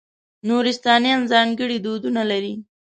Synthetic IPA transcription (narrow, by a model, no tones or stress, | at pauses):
noɾɪst̪ɑnjɑnzɑŋɡəɽid̪od̪unalaɾi